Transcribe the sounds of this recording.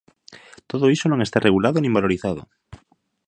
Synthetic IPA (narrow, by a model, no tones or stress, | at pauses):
t̪oðoisonõŋest̪arʔeɣulaðonĩmbaloɾiθað̞o̰